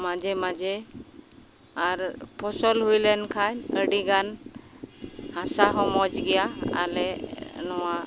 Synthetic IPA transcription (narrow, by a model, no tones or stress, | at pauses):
mad͡ʒɛmad͡ʒɛ | aɾpʰɔsɔlɦujlɛnkʰanəɽiɡan | hãsaɦɔmɔd͡ʒɡɛjaa̰lɛnɔwa